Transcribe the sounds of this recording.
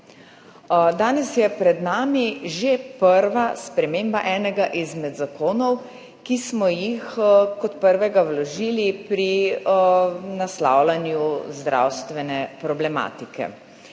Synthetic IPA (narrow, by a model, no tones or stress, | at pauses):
d̪aːnɛsjɛpɾɛd̪naːmiʒepəɾʋaspɾɛmeːmbaʔɛːnɛɡaʔizmɛd̪zakʰoːnɔw | kismɔjixkɔt̪pəɾʋɛɡawlɔʒiːlipɾi | nasla̰wlanjuzd̪ɾa̰wst̪ʋɛnɛpɾɔblɛma̰ːt̪ikɛ̰